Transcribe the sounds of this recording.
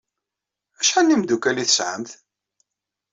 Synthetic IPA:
æʃħanːimd̪ukæliθə̥sʕə̰mθ

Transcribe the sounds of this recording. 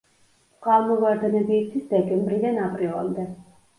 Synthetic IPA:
qʼalˠmɔvaɾd̪ɛnɛbiːksʰisd̪ɛkʼɛmbɾid̪anapʼɾilˠa̰md̪ɛ

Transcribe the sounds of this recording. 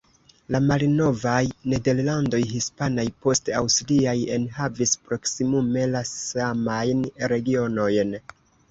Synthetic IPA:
lamalno̞vajne̞de̞ɾlando̞jɦispanajpo̞stea̰wstliaje̞nhavispɾo̞ksimume̞lasamajnɾe̞ɡio̞no̞jn

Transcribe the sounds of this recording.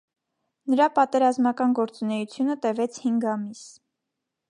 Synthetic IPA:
nəɾɑpɑt̪ɛɾɑzmɑkɑnɡɔɾt͡sunɛjut͡sʰjunət̪ɛvɛt͡sʰhiŋɡɑmis

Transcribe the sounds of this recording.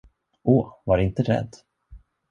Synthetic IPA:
ʔoːvaɾɪnt̪əɾɛ̰d̪ː

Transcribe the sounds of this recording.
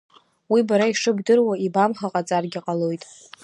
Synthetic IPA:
wibaɾaiʂɨbdɨrwaibamχaqʼat͡sʼarɡʲaqʼalo̞jtʼ

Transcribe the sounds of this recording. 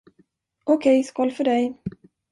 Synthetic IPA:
ɔkʰɛjskɔlfœɖɛj

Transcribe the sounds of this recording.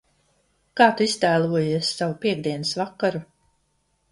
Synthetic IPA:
kaːt̪uist̪æːlˠuɔjiɛsːavupʲiɛɡ̚d̪iɛnɨsvakːaɾu

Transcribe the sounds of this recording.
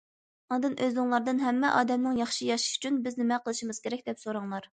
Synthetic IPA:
ɑd̪ɨnʔøzɨŋlˠɑɾd̪ɨnɦɛmːɛʔɑːd̪ɛmnɨŋjɑχʃijɑʃi̥ʃy̥t͡ʃʰynbɪznɪmɛqʰəlˠɨʃimɨz̥kʲʰeɾɛkʲd̪ɛpsoɾɑŋlˠɑɾ

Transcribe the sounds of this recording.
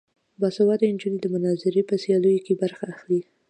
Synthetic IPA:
bɑsawɑd̪əɪnd͡ʒinid̪əmʊnɑzɪɾepəsjɑlujokebaɾxaːxli

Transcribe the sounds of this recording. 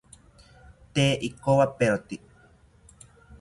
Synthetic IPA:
t̪eːʔikowapeot̪i

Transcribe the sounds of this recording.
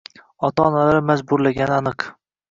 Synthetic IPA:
ɒt̪ʰaɒnalaɾɪmazbʊɾlaɡʲanɪanɨq

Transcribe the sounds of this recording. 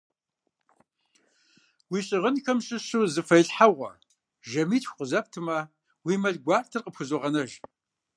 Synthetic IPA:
wiːɕʼɪʁənxɐmɕʼɪɕuzɨfɐjɬħaʁʷɐ̰ | ʒɐmiːtʰxʷqəzɐp̚tʰɨmɐ | wiːmɐɮɡʷɑːrtʰɨrqəpxʷɨzoʁɐnɐʒ

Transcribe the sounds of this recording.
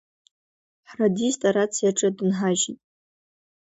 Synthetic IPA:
ħradistʼaɾat͡sʰjaʈ͡ʂʼɨdɨnħaʒitʼ

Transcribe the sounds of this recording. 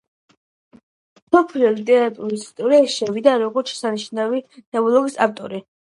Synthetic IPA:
sɔpʰliɔlit̪ʼɛɾat̪ʼuɾisi̥st̪ʼɔɾiaʃɛvid̪aɾɔɡɔɾt̪ʃɛ̥saniʃnavit̪ʰɛɔlˠɔɡisa̰ft̪ʼɔ̰ɾi

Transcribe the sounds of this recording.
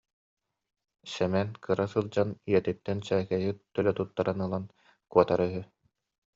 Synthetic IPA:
sɛmɛnkʰɯɾasɯlˠd͡ʑaniɛt̪it̪ːɛnt͡ɕɛːkɛjɯt̪ːœlɛt̪ut̪ːaɾanɯlˠan | kuɔt̪aɾœɦy

